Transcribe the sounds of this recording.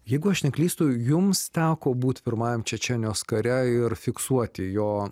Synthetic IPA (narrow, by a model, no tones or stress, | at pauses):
jɛɪɡʊɐʃnʲɛklʲiːst̪ʊjʊmst̪ʲæːkoːbuːt̪ʲpʲɪɾmɑːjɛmt͡ʃʲɛt͡ʃʲɛnʲjoːskɐɾʲɛɪrfʲɪksuɔt̪ʲɪjoː